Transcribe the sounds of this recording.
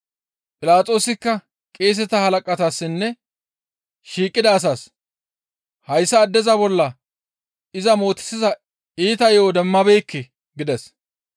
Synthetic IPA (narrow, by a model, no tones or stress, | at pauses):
pʼɪlaːt͡sʼo̞ːsɪkːɐ | kʼeːs̬ɛt̪ɐhɐlɐkʼɐt̪asːɪnːɛ | ʃiːkʼːɪd̪ɐːs̬aːs | hɐjsːɐːd̪ːɛzɐbɔlːɐ | ɪzɐmo̞ːt̪ɪ̥sɪzɐ | iːt̪ɐjoːd̪ɛmːɐbɛjkːɪ | ɡɪd̪ɛs